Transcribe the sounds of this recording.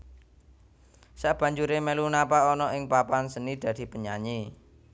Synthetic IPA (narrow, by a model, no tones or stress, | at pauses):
saʔb̥a̤ɲd͡ʒuɾemelunapaɔnɔʔɪŋpapansənid̪̥ä̤d̪̥i̤pəɲaɲi